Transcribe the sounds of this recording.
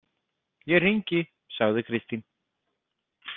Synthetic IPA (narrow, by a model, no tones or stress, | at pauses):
jɛriɲcɪ | saɣðɪkʰɾɪst̪in